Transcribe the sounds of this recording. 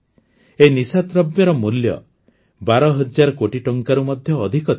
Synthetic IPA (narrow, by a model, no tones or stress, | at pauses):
enisat̪ɾɔbjɔɾɔmuljɔ̰ | baɾɔɦɔd͡ʒaɾɔkoʈiʈɔŋkaɾumɔd̪ʱjɔːd̪ʱikɔt̪